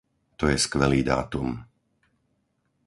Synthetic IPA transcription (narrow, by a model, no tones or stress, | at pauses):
t̪ɔjɛskʋɛliːd̪a̰ːt̪um